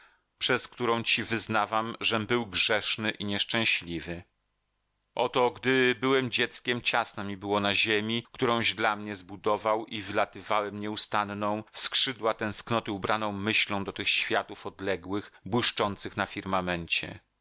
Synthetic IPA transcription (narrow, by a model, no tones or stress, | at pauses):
pʂɛskt̪uɾɔ̃w̃t͡ɕivɘznavamʐɛbɘwɡʐɛʂnɘʔiɲɛʂt͡ʂɛ̃w̃ɕlʲivɘ | ʔɔt̪ɔɡd̪ɘbɘwɛmd͡ʑɛt̪skʲɛmt͡ɕasnamʲibɘwɔnaʑemʲikt̪uɾɔ̃w̃ʑd̪lamɲɛzbud̪ɔvawivɘlat̪ɘvawɛmɲɛust̪annɔ̃w̃fskʂɘd̪wat̪ɛ̃w̃sknɔt̪ɛubɾʔanɔ̃w̃mɘɕlɔ̃w̃d̪ɔt̪ɘxɕfʲjat̪ufɔd̪lɛɡwɘxbwɘʂt͡ʂɔnt̪sɘxnafʲiɾmamɛɲt͡ɕɛ̰